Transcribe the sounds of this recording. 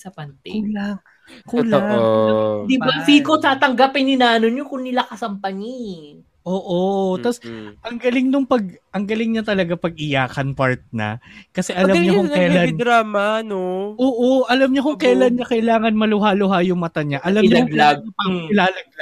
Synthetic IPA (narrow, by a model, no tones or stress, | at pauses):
sɐpɐnt̪kula | kuːl | d̪ɪbasiːkot̪aːt̪ɐŋɡapɪnːɪnaːnoɲokʊŋnɪlakɐsɐmpɐŋi | ʔoːʔot̪ɐsʔɐŋɡɐlɪŋnʊŋpɐɡ̚ʔɐŋɡɐlɪŋɲɐt̪ɐlɐɡapɐɡ̚ʔɪjaːkɐnpaɹt̪̚nɐ̰kɐsɛʔɐlamɲɐkʊŋnɐlaɪd̪ɾaːmɐnoʔoːʔoʔɐlɐmɲɐkʊŋkɐʔlɐnɲɐkɐʔɪlaːŋɐnmɐlʊɦalʊɦajʊŋmɐt̪aɲaʔɐlɐɲaɐɪlaːlɐɡ̚la